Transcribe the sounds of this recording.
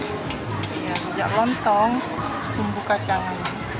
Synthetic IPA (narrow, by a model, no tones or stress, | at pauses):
jasəd͡ʒa̰ʔlɔnt̪ɔŋ | t̪umbukat͡ʃaan